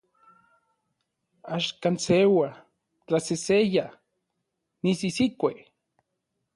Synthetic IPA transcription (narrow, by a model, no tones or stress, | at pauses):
aʃkansewa | t͡ɬaseseja | nisisikʷe